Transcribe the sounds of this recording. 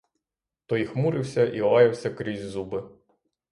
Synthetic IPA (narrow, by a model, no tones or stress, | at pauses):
t̪ɔjixmuɾɪwsʲɐʔiɔlɑjɐwsʲɐkɾʲizʲzubɪ